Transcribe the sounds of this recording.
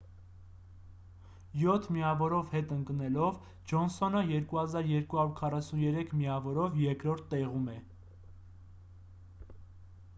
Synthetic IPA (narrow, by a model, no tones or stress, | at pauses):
jɔt̪ʰmiɑvɔɾɔvhɛt̪əŋknɛlɔv | d͡ʒɔnsɔnəjɛɾkuhɑzɑɾjɛɾkuhɑɾuɾkʰɑrɑsunjɛɾɛkʰmiɑvɔɾɔvjɛɾkɾɔɾt̪ʰːɛʁumɛ